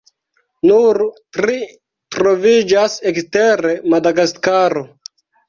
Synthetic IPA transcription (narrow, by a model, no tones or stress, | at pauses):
nuɾtɾi | tɾo̞vid͡ʒaseksteɾe̞madaɡaskaɾo